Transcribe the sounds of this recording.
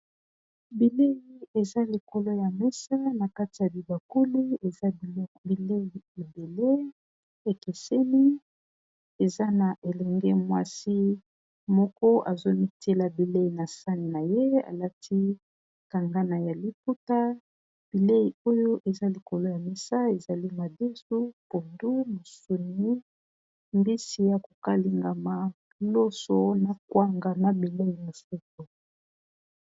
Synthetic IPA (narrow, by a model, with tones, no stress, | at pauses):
bi˨le˦ji˨e˨za˦li˨ko˨lo˦ja˨mɛ˦sa˦na˨ka˦ti˨ja˨bi˨ba˨ku˦li˦e˨za˦bi˨˦bi˨le˦i˨e˨be˨le˦ | e˨ke˨sɛ˦ni˦ | e˨za˦na˨ʔe˨lɛ˨ŋɡɛ˦mwa˦si˦ | mɔ˦kɔ˦ʔa˨zo˦mi˦tʰe˦la˨bi˨le˦i˨na˨sa˦ni˨na˨je˦a̰˨la˦tʰi˦ | ka˨ŋɡa˦na˨ja˨li˨p̚u˦ta˦ | b̥i˨le˦i˨o˦jo˦ʔe˨za˦li˨ko˨lo˦ja˨mi˨sa˦e˨za˨li˦ma˨de˦su˦po˨ndu˦mo˨su˨ni˦ | mbi˦si˨˦ja˨ko˨ka˦li˨ŋɡa˨ma˨ | lo˦so˦na˨kwa˦ŋɡa˨ma˦bi˨le˦i˨na˨so˦to˨